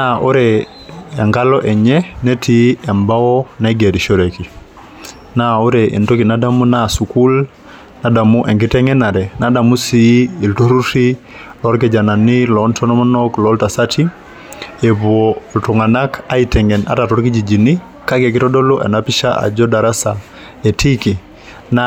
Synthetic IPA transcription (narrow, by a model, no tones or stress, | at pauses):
naʔuɾe | eŋkaloʔeɲenetʰiembawonaɡediʃoɾeki | nauɾeʔḛntokinadamunasukul | nadamuʔeŋkiteŋenaɾenadamusiːltoɾuti | loɾk̬ed͡ʒananilɔntɔnɔmanoklɔltasatʰi | eboltuŋanakaitɛŋena̰tatɔɾkid͡ʒid͡ʒini | kakekitɔdoloʔḛnapiʃaʔa̰d͡ʒodaɾasa | etiki | na